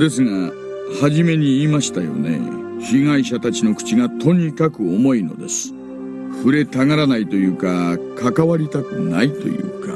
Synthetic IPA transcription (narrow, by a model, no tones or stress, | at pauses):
d̪e̞sɨŋa | haʑime̞ɲ̟iːmaɕi̥t̪ajo̞̰ne̞̰ | ɕiŋaiɕat̪at͡ɕino̞kɯ̟̥t͡ɕiɡat̪o̞ɲ̟ikakɯ̟omo̞ino̞̰d̪e̞sɨ̥ | ɸɯ̟ɾe̞t̪aŋaɾanait̪o̞jɯ̟ːkakʰakaβaɾʲit̪akɯ̟na̰it̪o̞̰jɯ̟̰ːka̰